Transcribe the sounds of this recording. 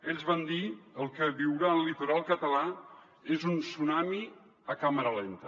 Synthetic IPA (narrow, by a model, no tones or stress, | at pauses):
eʎʲzβand̪iəlˠkəβiwɾanlit̪uɾalˠkət̪əla | ezunsunami | əkaməɾəlent̪ə